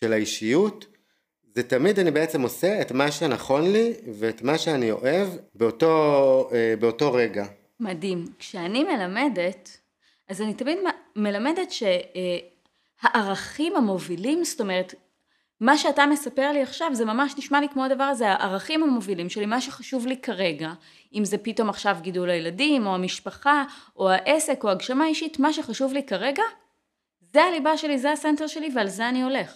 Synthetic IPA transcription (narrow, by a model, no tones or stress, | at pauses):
ʃelaiʃijut | zetamidanibeet͡semo̞seetmaʃenaχo̞nliveːtmaʃeanio̞̰ʔe̞vbeotoebeoto̞ʁe̞ɡa | madimkʃeanime̞lame̞det | azanitamidmame̞lame̞de̞tʃe̞ | haʔaʁaχimhamo̞vilimsto̞me̞ʁet | maʃeatame̞sape̞ʁliaχʃavze̞mamaʃniʃmalikmo̞adavaʁaze̞aʔaʁaχimhamo̞vilimʃe̞limaʃeχaʃuvlikaʁe̞ɡa | imze̞pito̞maχʃavɡidulajeladimo̞amiʃpaχao̞aʔe̞se̞ko̞aɡʃamaiʃitmaʃeχaʃuvlikaʁe̞ɡa | zealibaʃe̞lizeasenteʁʃe̞livealzeanio̞le̞χ